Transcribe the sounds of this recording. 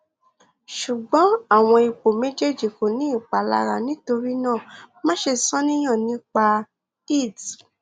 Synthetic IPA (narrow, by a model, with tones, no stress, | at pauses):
ʃu˨ɡ͡bɔ̃˨˦a˦˨w̃ɔ̃˧i˧k͡po˨mẽ˨˦d͡ʒe˦˨d͡ʒi˨ko˨nĩ˨˦i˦˨k͡pa˨la̰˧ɾa˧nĩ˨˦to˧ɾi˦nãː˦˨mã˦ʃe˧˨sɔ̃˦nĩ˦j̃ã˦˨nĩ˨˦k͡pa˧ | i˦˨d